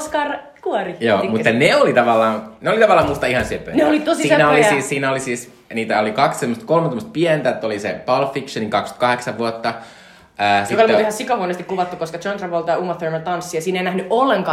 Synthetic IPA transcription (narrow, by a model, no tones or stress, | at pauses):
skɑr | kuɔrijoːmut̪ːɑneolit̪ɑʋɑlːɑːnneolit̪ɑʋɑlːɑːmust̪ɑihɑnsipːø̰neolit̪osisiːnæolisiːssiːnæolisiːs | niːt̪æolikɑkssemːost̪kolment̪omːˑst̪̚piɛnt̪æet̪ːolisḛpɑlfikʃɑniŋkɑksky̥t̪̚kɑheksɑʋʋuot̪ːɑ | əːsjiokɑolmːihɑsikɑhuonest̪ikkuʋɑt̪ːukoskɑt͡ʃont̪rɑʋolt̪ɑuːmɑθørmt̪ɑnsːiɑsiːneinæhnyʔʔolːeŋkɑː